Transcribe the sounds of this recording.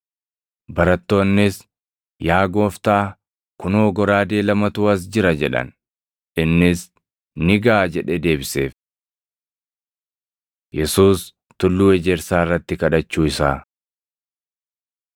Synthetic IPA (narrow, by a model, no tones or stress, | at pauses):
bɐɾɐt̪ːo̞ːnːɪs | jaːɡo̞ːft̪aː | kʊnoːɡɔɾaːd̪e̞ːlɐmɐt̪ʊːɐs̬d͡ʒɪɾɐd͡ʒɛᶑɐ̰n | ʔɪnːɪs | nɪɡaːd͡ʒɛᶑɛd̪e̞ːbɪse̞ːf | jɛsuːs | t̪ʊlːuːɛd͡ʒɛɾsaːɪrːɐt̪ːɪkɐᶑɐt͡ʃːuːɪsaː